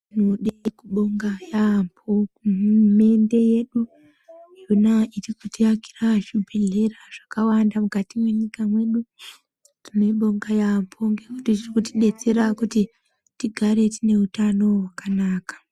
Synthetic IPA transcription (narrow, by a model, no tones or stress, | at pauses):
inoɗekuɓo̞ŋɡajampʰo | me̞nde̞je̞ɗu | iunairikutiaki̥raʃubʱeɮe̞raʐ̥akawandamukatimwe̞ɲikamwe̞ɗu | tineɓo̞ŋɡajampʰoŋɡekutitirikutiɗe̞t͡se̞ɾakuti | tiɡʱaɾe̞tine̞utano̞wakanaːkḁ